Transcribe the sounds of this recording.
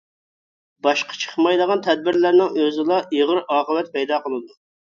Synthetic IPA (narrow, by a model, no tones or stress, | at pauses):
bɑʃqʰɑ̥t͡ʃʰə̥χmɑjd̪əʁɑnt̪ʰɛd̪̚bɪɾlæɾnɪŋøzɪlˠɑʔiʁəɾɑːqəvɛt̪̚pʰɛjd̪ɑːqəlˠɨd̪u